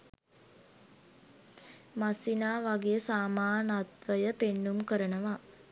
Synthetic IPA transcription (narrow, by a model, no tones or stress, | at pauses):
masinaːʋaɡejəsaːmaːnat̪ʋəjəpenːumkəɾənəʋa